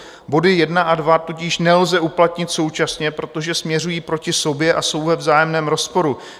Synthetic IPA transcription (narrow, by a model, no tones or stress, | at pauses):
bo̞dɪjɛdnaʔadvat̪ucɪʃnɛlzɛʔuplat̪ɲɪt̪so̞wt͡ʃasɲɛpɾo̞t̪o̞ʒɛsmɲɛr̝ujiːpɾo̞cɪso̞bjɛʔaso̞wvɛvzaːjɛmnɛːmɾo̞spo̞ɾu